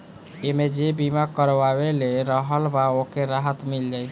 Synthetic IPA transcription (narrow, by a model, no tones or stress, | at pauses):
emed͡ʒebimakəɾbabeleɾəɦəlbaokeɾaɦət̪milːe